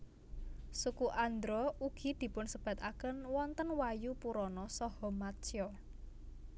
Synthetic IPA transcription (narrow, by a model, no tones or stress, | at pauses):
sukuʔand̪ɾɔuɡ̥i̤d̪̥i̤pʊnsəb̥a̤t̪akənwɔnt̪ənwajupuɾɔnɔsɔhɔmat͡ʃjɔ